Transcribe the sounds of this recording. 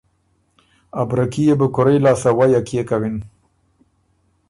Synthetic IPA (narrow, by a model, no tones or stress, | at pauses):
abɾakijebəkʊɾajlɑːsawajakijekawɪn